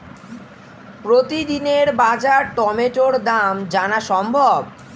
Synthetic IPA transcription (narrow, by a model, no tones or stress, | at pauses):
pɾot̪id̪ineɾbad͡ʑaʈɔmeʈoɾd̪amd͡ʑanaʃɔmbʱob